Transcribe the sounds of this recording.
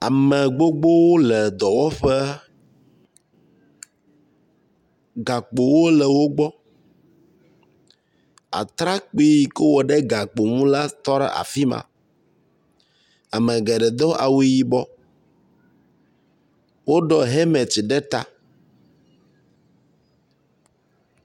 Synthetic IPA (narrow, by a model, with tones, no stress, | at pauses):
a̰˨mɛ˨ɡ͡bo˦ɡ͡bo˦wo˦lɛ˨d̪ɔ˨wɔ˦ɸɛ˦ | ɡa˨k͡po˨wo˦lɛ˨wo˦ɡ͡bɔ˦ | a̰˨t̪ɾa˦k͡pi˦ji˨ke˦wɔ˨ɖɛ˦ɡa˨k͡po˨mũ˦la˦t̪ɔ˦ɖɛ̰˦˨ʔa̰˨fi˦mã̰˨ | a˨mɛ̃˨ɡɛ˨ɖɛ˨d̪ɔ˦ʔa̰˨wi˨ji˦bɔ˦ | wo˦ɖɔ˦ɦɛ˦mɛ˨t͡ʃi˨ɖɛ˦t̪a̰˨